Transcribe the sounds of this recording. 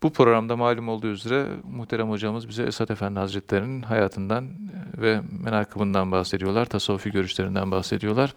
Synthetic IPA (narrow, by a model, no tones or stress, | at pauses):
b̥upʰɾo̞ɾamd̪amaːlʲymo̞lˠd̪uːyzeɾɛ̰muxt̪ʰeɾamhod͡ʒamɯzbizɛɛsat̪e̞fænd̪lʲihazɾɛt̪ʰlʲe̞ɾininɦajaːt̪ʰɯnd̪anvɛmenaːkʰɯbɯnd̪anbaxse̞d̪ijo̞lˠaɾt̪ʰasaufiɟø̞ɾyʃlʲe̞ɾind̪ænbaxse̞d̪ijo̞lˠaɾ̥